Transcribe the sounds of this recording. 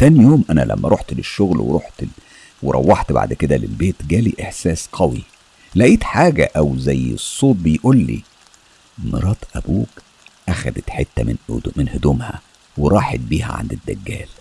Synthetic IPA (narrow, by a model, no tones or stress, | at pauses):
t̪ænijoːmʔænæ̰lʔæ̰mːæɾˤoħt̪leʃːoɣlwḛɾoħt̪ | weɾˤɑ̰wːɑħt̪ba̰ʕd̪ked̪ælelbeːt̪ɡæːliʔeħsæːsqʰɑwi | læʔiːt̪ħaːɡæ̰ʔæwzæjːḛsˤːoːt̪̚bejʔuːlːḭː | mɑ̰ɾˤɑːt̪ˤʔæbuːk | ʔæxæd̪æt̪ħet̪ːæmenmenhod̪omhæ | weɾˤɑːħet̪̚biːhæ̰ʕa̰nd̪ed̪ːæɡːæ̰ːl